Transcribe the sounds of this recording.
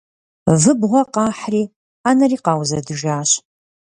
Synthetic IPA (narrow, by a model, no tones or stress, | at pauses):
vɨbʁʷɔqɑːħriː | aːnɐriːqɑːwzɐdɨʒaːɕ